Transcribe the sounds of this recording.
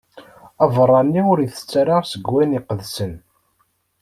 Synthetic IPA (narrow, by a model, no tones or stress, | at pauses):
ævrˤːɑnːiʊɾiθə̥t͡sːaɾɑʁsəɡwæniqəðsən